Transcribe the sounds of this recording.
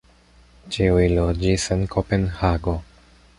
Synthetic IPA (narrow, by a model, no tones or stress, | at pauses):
t͡ʃiujlod͡ʒise̞nkʰope̞nhaɡo̞